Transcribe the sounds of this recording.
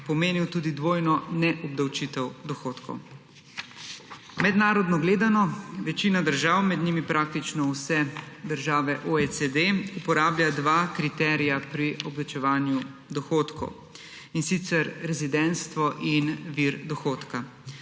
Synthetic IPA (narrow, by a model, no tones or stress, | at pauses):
pɔmeːniwt̪uːd̪id̪ʋoːjnɔnɛʔɔb̚d̪awt͡ʃit̪ɛwd̪ɔxoːt̪kʰɔ̰w | mɛd̪naːɾɔd̪nɔɡleːd̪anɔʋɛt͡ʃiːnad̪əɾʒaːwmɛd̪nimipɾʔak̚t̪it͡ʃnɔwsɛd̪əɾʒaːʋɛʔoet͡s̪ed̪eupɔɾaːbljad̪ʋaːkɾit̪ɛːɾijapɾiɔblat͡ʃɛʋaːnjud̪ɔxoːt̪kɔ̰w | insit̪sɛɾɾɛzid̪ɛnst̪ʋɔʔinʋiɾd̪ɔxoːt̪ka